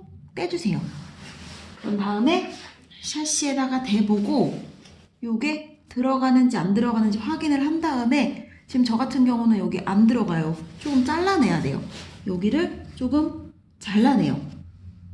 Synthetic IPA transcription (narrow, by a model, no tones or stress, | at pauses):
p͈e̞d͡ʑusʰe̞jo̰ | kɯɾʌntaɯme̞ | ɕʰaɕ͈ie̞daɡate̞boɡo | joɡe̞ | tɯɾʌɡanɯnd͡ʑiandɯɾʌɡanɯnd͡ʑiɸwaɡinɯɭhandaɯme̞ | t͡ɕiɯmt͡ɕʌɡatʰɯnɡjʌŋunɯnjʌɡiʔandɯɾʌɡajot͡ɕ͈oɡɯmt͡ɕ͈aɭːane̞jade̞̰jo̰jʌɡiɾɯɭt͡ɕ͈oɡɯm | t͡ɕaɭːane̞̰jo̰